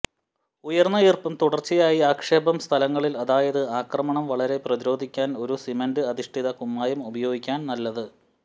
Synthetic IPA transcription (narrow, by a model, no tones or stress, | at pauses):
ujɐrnːɐjirpɐmt̪uɽɐrt͡ɕːijaːjiaːkʂe̞ːbɐmst̪ʰɐlɐŋːɐɭilɐðaːjɐðɨaːkrɐmɐɳɐmʋɐɭɐɾe̞prɐðiɾo̞ːd̪ʱikʲːaːno̞ɾusimenɖɨɐðiʂʈʰiðɐkumːaːjumubɐjo̞ːɡikʲːaːnnɐlːɐðɨ